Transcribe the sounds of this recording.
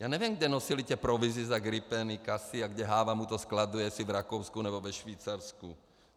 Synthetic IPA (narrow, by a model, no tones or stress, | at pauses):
jaːnɛvjɛmɡdɛnosilic̪ɛpɾovizizaɡɾipɛnikasiaɡdɛɦaːvamut̪oskladujɛsivɾakowskunɛbovɛʃviːt͡saɾsku